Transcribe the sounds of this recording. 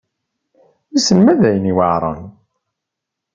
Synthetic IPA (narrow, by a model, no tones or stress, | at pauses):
isənmæðæjəniwaʕɾˤɑ̰n